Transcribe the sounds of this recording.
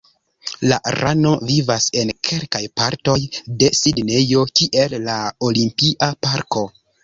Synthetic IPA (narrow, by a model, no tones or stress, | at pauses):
la̰ɾano̞vivase̞nkʰe̞lkajpaɾto̞jde̞sidne̞jo̞kiʔe̞lːaolimpiʔapaɾko̞